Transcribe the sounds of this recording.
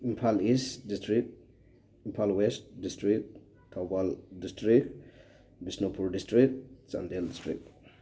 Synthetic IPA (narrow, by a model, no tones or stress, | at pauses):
impʰalisdistɾik̚t̚ | impʰalwest̚distɾik | tʰawbaldistɾik | bisnopuɾdistɾik̚t̚t͡ʃa̰ndeldistɾḭk̚t